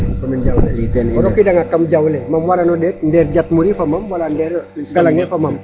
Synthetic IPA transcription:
pamɛnd͡ʒawuleɔɾokidaŋakamd͡ʒawlɛmamwaɾanodɛt̪̚ndɛrd͡ʒat̪̚muɾipamamwalandɛrɡalaŋɲafamam

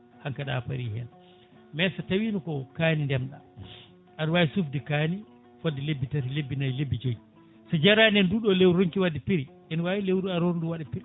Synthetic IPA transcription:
haŋkaɗa̰pa̰ɾiːhɛl | mɛsatawiːnukɔkaːnindɛmɗa̰ | ʔaɗwawisufdikani | fodːilebːitatilebːinajlebːid͡ʒoji | sɔd͡ʒaɾanɛnduːɗɔlewɾoŋkiwadipiɾi | ɛnwajilewɾaɾonduwaɗapiɾ

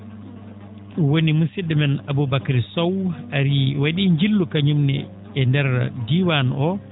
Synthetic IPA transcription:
wonimusiɗɛmɛnabubakaɾisɔwaɾiwaɗiːɲd͡ʒilːukaɲumnɛ̰ | ɛndɛɾdiwanɔ

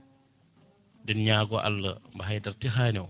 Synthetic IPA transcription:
dɛnɲaːɡɔʔɐ̰lːə̰mbɐɦɐjdɐrtiɦaːnɛw

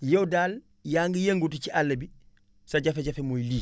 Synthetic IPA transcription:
jodaːl | jaːŋɡijeŋɡutit͡ʃiʔalːebi | saɟafeɟafemoːjiliː

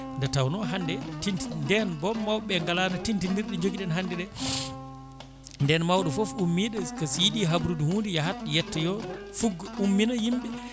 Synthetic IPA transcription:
ndɛtawnɔɦandɛtintindɛnbɔːawɓɛŋɡalanatintindiɾɗɛd͡ʒoɡiɗɛnɦandɛɗɛ | ndɛnmawɗɛfɔfumːiɗɛkasijiɗiɦabuɾuduhuːndijahatjɛtːɛjɔfuɡːɔumːinajimɓɛ

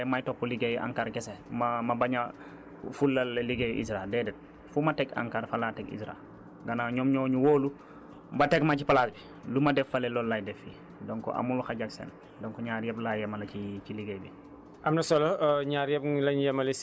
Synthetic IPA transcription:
ɛmajtɔpːuliɡejʔa̰ŋkaɾkesemamabaɲa | fulːalliɡej̰ʔḭsɾaeldɛdɛt̚ | fumatɛka̰ŋkaɾfalatɛkḭsɾa̰ | ɡanaɲɔmɲoːɲuwoːlu | mbatekmacipalaːsbi | lumadɛfalelolːajdɛfḭ | dɔŋkɔ̰ʔa̰muluxaɟaksḛːn | dɔŋkɔɲaːɾjɛblajɛmalɐcit͡ʃiliɡejbi | ʔamnɐsoloɲaːɾjɛblaɲjemali

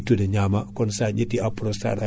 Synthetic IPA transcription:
tːudeɲamakɔnsaɲitiapɾosa̰ɾa

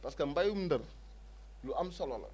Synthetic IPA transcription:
paskɛm̩bajumndər | luʔamsɔlɔlɔ̰

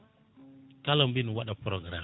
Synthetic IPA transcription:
kalambinwaɗapɾoɡɾa

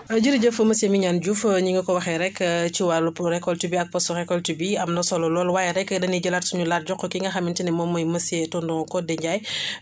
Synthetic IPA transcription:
ɐɟiɾɟəfəməsemiɲanɟufɲiŋɡɐkɔwɐxɛɾɛkt͡ʃiwalupɾɛkːɔltibiɐk̚pɔstɔɾɛkɔltibiɐmnɐsɔlɔlɔːlwajɛɾɛkːdɐniɟəlatsuɲulat̚ɟɔkːɔkiŋɡɐxɐmintinɛmɔmɔjmɐsɛtɔndɔŋkɔdɛɲɟaj

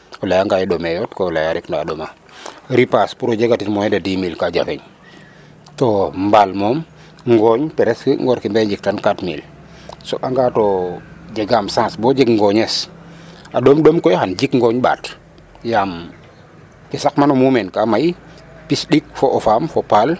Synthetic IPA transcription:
ɔlajaŋɡajɛɗomɛjɔtkɔlajaɾɛknaaɗoma | ɾipaspuɾod͡ʒeɡatitmɔjɛdadimilkad͡ʒa̰fḛɲ | tɔmbalmɔm | ŋɡɔɲpɛɾɛskḭŋɡɔɾkimbeɲd͡ʒik̚tankatmḭl | soʔaŋɡaːtod͡ʒɛɡamsãːsbɔd͡ʒɛɡŋɡɔɲes | ʔaɗomɗomkɔjhand͡ʒikŋɡɔɲɓa̰ːt | jam | kisakmanɔmumɛnkamaj | pisɗik̚fɔʔɔfamfɔpal

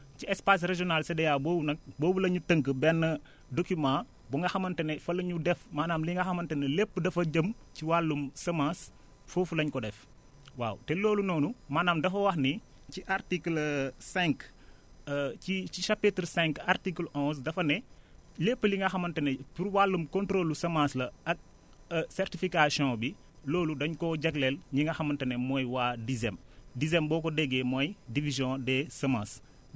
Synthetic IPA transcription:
ciɛspas̬reʒɔnaːlsɐdɐjaːboːbunɐk̚boːbulɐɲutəŋkəbɛnːɐ | dokumãː | buŋɡɐxɐmɐntɐnɛfɐlɐɲudɛfmaːnaːmliŋɡɐxɐmɐntɐnelepːədɐfɐɟɐm | ciwalːumsɐmas | fofulɐɲkɔdɛf | wa̰ːwtɛloːlunɔːnumaːnaːmdɐfɐwɐxni | ciʔaɾtiklsɛ̃ŋk | it͡ʃiʃapːitɾsɛ̃ŋkartiklʔɔ̃s̬dɐfɐnɛlepːəliŋɡɐxɐmɐntɐnɛpuɾwalːəmkɔ̃ntɾolːusɐmãslɐɐk̚ | sɛrtifikasiɔ̃bi | loːludɐɲkɔɟɐɡlɛlɲiŋɡɐxɐmɐntɐnɛmɔjwaːdizɛmdizɛmbɔːkɔdɛɡɛmɔjdivizjɔ̃dɛsɐmãːs

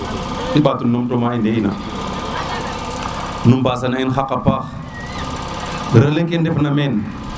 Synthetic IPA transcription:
iɓatunːomtomaindeina̰ | numbas̬anainxakːapax | dəɾalekendefnamen

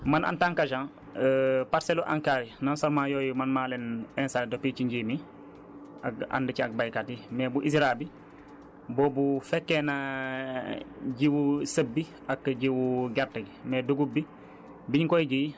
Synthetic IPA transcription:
manʔa̰ntaŋkad͡ʒãn | paɾseloʔã̰ŋkaːɾinansɔɾmajoːjumanmaːlenɛnsadopit͡ʃiɲɟimi | a̰ka̰ndəciak̚bajkatimɛːbuʔisɾabi | bɔːbufɛkːena | ɟiwusəbːi | akɟiwuɡaɾtɐɡmɛːduɡubːi | biɲkɔjɟij

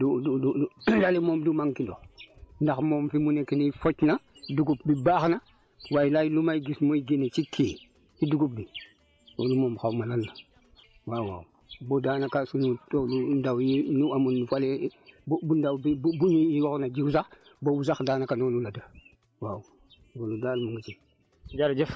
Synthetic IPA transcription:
dudududalemoːmdumaŋkindo̰ndaxmoːmfimunekinifot͡ʃnaduɡup̚bibaːxna | waːjlajilumajɡismoiɡinet͡ʃikʰeː | iduɡup̚bi | so̰lumoːmxawmananːa | wawa̰wu | bodaːnakasunutolundawjinuamunːufalebbundawbibbuɲiiwoxnad͡ʒiwsax | bowusaxdaːnakanolulada | wau | ɡoludaːlmuŋɡit͡ʃi | d͡ʒaɾd͡ʒef

